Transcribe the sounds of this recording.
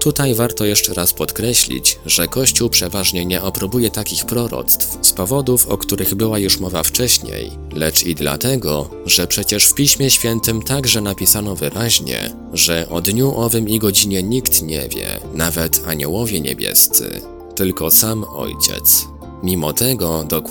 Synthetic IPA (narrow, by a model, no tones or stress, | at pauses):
t̪ut̪ajvaɾt̪ɔjɛʂt͡ʂɛɾaspɔt̪kɾɛɕlʲḭt͡ɕʐɛkɔɕt͡ɕuwpʂɛvaʐɲɛɲɛɔpɾɔbujɛt̪akʲixpɾɔɾɔ̰t̪st̪fspɔvɔd̪ufɔ̰kt̪uɾɘɣbɘwajuʂmɔvaft͡ʂɛɕɲḛj | lɛt͡ʂid̪la̰t̪ɛɡɔ | ʐɛpʂɛt͡ɕɛʂfpʲiɕmʲjɛɕfʲjɛnt̪ɘmt̪aɡʐɛnapʲisanɔvɘɾʔaʑɲɛ̰ | ʐɛʔɔd̪ɲuʔɔvɘmiɡɔd͡ʑiɲɛɲikt̪ɲɛ̰vʲjɛ̰navɛt̪ʰaɲɔwɔvʲjɛɲḛbʲjɛ̰st̪sɘ̰ | t̪ɘlkɔsamɔ̰jt͡ɕɛ̰t̪s | mʲimɔt̪ɛɡɔd̪ɔ